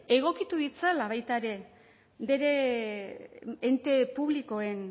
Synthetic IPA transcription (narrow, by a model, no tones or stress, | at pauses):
e̞ɣ̞o̞kit̪uðit͡salaβ̞ajt̪aɾe̞ | be̞ɾe̞ | ent̪e̞puβliko̞e̞n